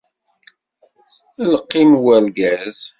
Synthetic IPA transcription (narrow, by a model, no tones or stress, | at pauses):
ləqːimwælɡæz